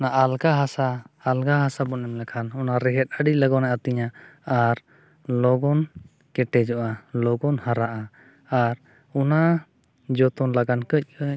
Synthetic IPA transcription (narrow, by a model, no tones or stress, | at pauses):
naʔalɡaɦasaːlɡaɦasabɔnɛmlɛkʰanɔnaɾɛɦɛt̪̚ˀəɖiləɡɔnɛʔat̪iɲaaɾ | lɔɡɔn | kɛʈɛd͡ʒɔʔalɔɡɔnhaɾaʔa | aɾ | ɔna | d͡ʒɔt̪ɔnlaɡankəc̚ˀkəc